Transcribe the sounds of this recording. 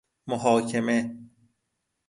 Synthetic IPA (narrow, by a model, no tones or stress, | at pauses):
moɦɒːcʰeme